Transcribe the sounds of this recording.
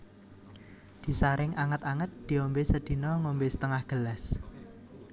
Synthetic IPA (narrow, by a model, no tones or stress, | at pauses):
d̪̥i̤saɾɪŋʔaŋət̪aŋət̪̚d̪̥i̤ɔmbesəd̪̥i̤nɔŋombesə̥t̪əŋahɡ̥əlas